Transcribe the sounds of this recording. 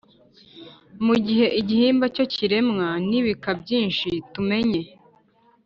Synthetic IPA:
muɟiɦe̞ʔiɟihiːmbaco̞ciɾe̞mŋaniβikabɟiːnʃitume̞ɲe̞

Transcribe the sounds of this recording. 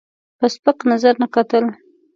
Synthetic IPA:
pəspəqnazaɾnakat̪əl

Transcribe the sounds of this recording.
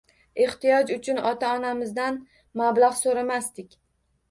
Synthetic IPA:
eht̪ijɒd͡ʒʊt͡ʃʰʊnɒt̪ʰaɒnamɪzd̪an | mablaʁsoɾamast̪ɪkʲ

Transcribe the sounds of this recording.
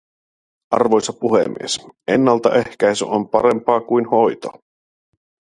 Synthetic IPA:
ʔɑ̰rʋo̞jsɑpuhḛmːḭese̞nːɑlt̪ɑʔe̞hk̟æjsy̰ʔompɑɾe̞mpɑːkujnho̞jt̪o̰

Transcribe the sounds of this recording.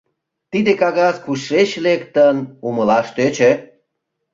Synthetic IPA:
t̪id̪ekɑɣɑzkuʃeɕlekt̪ənuməlɑʃt̪øt͡ɕe

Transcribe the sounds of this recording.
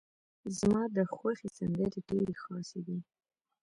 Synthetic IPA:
zmɑd̪əxwaxesand̪eleɖeɾexɑsed̪i

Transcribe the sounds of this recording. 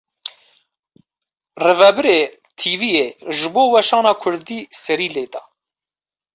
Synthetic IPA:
rɪvɛbɨɾeː | t̪ʰiːviːjeːʒɨboːwɛʃɑːnɑːkʰʊɾd̪iːsɛɾiːleːd̪ɑ

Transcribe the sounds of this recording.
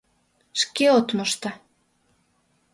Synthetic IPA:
ʃkeot̪mɤʃt̪ɑ

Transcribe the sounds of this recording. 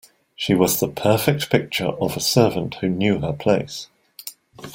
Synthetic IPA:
ʃiwɒzðəpʰɜˑfɪk̚tpʰɪk̚t͡ʃə̰ɹʔə̰vəsɜːvə̃nʔhʉnjʉːəpʰl̥eɪs

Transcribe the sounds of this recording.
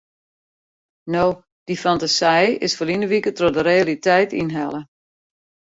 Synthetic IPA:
now | d̥ifantasɛjɪsfəlinəʋikətrodəɾealitɛjtinɦɛlˠə

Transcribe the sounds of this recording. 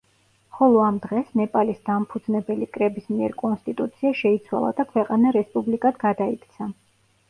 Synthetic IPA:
χɔlˠɔamd̪ʁɛsnɛpʼalisd̪ampʰud̪znɛbɛlikʼɾɛbismiɛɾkʼɔnst̪ʼit̪ʼut̪sʰiaʃɛit̪sʰwa̰lˠa̰d̪akʰwɛqʼanaɾɛspʼublikʼad̪ɡad̪aikʰt̪sʰa

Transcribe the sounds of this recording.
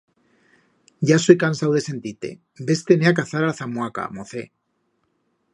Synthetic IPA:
ɟ͡ʝasojkansawðe̞se̞nt̪it̪e̞̰ | be̞st̪eneakaθaɾaθamwaka̰moθe̞

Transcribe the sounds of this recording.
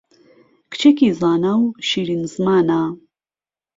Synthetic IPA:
kʰt͡ʃʰekizaːnawʃiːɾinzmaːna

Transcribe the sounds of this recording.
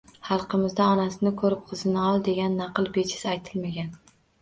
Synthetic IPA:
hɑlˠqɨmɪzd̪aɒnasɪnɪkʰɵɾɪp̚qʰɨzɪnɪɒlˠd̪e̞ɡʲanːɑqɨlˠbe̞t͡ʃʰɪ̥sajt̪ʰɪlmaɡʲan

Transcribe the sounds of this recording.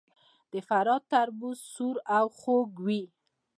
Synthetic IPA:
d̪̥əfaɾɑt̪aɾbuzsuɾawxoɡwi

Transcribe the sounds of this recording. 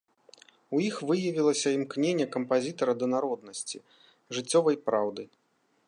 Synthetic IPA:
ujixvɨjɐvʲilˠɐsʲɐimknʲenʲːɛkɐmpazʲit̪ɐɾɐd̪ɐnaɾɔd̪nɐsʲt͡sʲḭ | ʐɨt͡sʲːɔvɐjpɾawd̪ɨ

